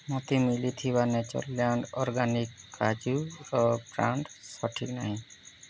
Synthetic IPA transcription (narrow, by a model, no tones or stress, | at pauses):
mɔt̪imilit̪ʰibanɛt͡ʃɔ̰lːjaɳɖɔɾɡanikːad͡ʒuɾɔpɾaɳɖsɔʈʰikna̰ɦĩ